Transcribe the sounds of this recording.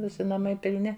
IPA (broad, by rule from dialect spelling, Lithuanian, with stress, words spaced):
ˈʋʲɪsʲɪ nɐˈmɐɪ pʲɪlʲˈnʲɪ